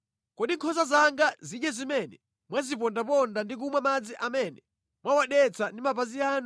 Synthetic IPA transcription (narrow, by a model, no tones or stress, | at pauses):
kɔɗiŋkʰɔsazaŋɡaziɗjɛzimɛnɛ | mwazip̬ɔndapɔndandik̬umwamad͡ziʔamɛnɛ | mwawaɗɛt͡sʰandimap̬aziaːn